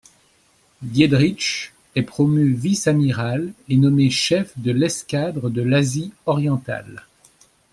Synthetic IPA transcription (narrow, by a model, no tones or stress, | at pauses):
ɡjed̪ʁiʃ | ɛpχɔmyvisamiʁalenɔmeʃɛfd̪əlɛskʲad̪ʁəd̪əlaziɔʁjɑ̃t̪a̰l